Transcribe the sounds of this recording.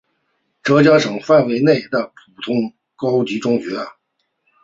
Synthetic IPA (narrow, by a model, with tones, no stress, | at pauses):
ʈ͡ʂɤ˧˥t͡ɕjɑ˥ŋʂɤ˨˩ŋfa˥˩nwe˧˥ɪne˥˩ɪd̪ə˩pʰu˨˩t̪ʰʊ˥ŋ | kɑ˥ʊt͡ɕi˧˥ʈ͡ʂʊ˥ŋt͡ɕɥɛ˧˥